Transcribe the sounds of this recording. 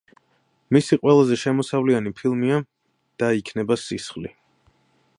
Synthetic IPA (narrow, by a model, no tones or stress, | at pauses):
misiqʼwɛlˠazɛʃɛmɔsavlianipʰilˠmia | d̪̥aikʰnɛbasisχli